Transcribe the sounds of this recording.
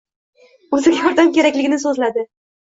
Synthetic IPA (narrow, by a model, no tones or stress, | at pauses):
ɵzɪɡʲajɒɾd̪amkʲe̞ɾakʲlɪɡʲɪnɪsɵzlad̪ɪ